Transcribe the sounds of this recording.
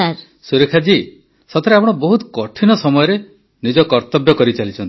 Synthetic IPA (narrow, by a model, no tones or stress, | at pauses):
aɾ | suɾekʰad͡ʒi | sɔt̪ʰɔɾeapɔɽ̃ɔbɔɦut̪kɔʈʰinɔsɔmɔjɔɾe | nid͡ʒɔkɔɾt̪ɔbjɔkɔɾit͡ʃalit͡ʃʰɔ̃nt̪i̥